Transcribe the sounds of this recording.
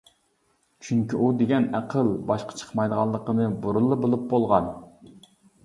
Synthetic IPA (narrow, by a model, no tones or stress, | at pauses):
t͡ʃʰyŋkʲyʔud̪eɡʲɛnæqʰəlˠbɑʃqʰɑ̥t͡ʃʰə̥χmɑjd̪əʁɑlˠːəqənɨboɾɨlˠːɨbolˠup̚bolˠʁɑn